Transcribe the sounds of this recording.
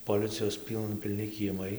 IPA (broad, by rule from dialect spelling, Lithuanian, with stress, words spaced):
poːˈlʲɪt͡sʲɪjoːs ˈpʲiːlˠnɐ pʲɪlʲˈnʲɪ kʲiɛˈmɐɪ